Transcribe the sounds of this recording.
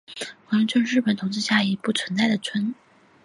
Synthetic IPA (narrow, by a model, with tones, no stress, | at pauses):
wɑ˧˥lə˧˥ŋt͡ɕə˥˧ɻ̩˥˩pə˨˩nt̪ʰʊ˧˥ŋt͡sɹ̩˥˧˩ɕja˥˩i˧˥pu˥˩t͡sʰwə˧˥nt͡sa˥˩ɪd̪ə˩t͡sʰwə˧˥n